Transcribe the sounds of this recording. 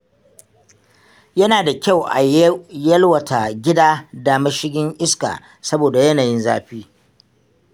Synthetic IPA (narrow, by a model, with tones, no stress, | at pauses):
jɐ˦naː˨da˨kʲa˦˨wʔa˨jɐ˦lwɐ˨tʰa˨ɡʲɪ˦daː˦daː˨mɐ˦ʃɪ˦ɡʲɪ˦ŋʔɪ˦ska̰ː˨ | sɐ˦boː˨da˨jɐ˦naː˨jɪ˦nza̰ː˦ɸiː˦